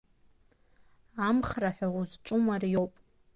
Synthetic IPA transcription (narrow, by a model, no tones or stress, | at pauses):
amχraħʷᶣauzʈ͡ʂʼʊmarjo̞wpʼ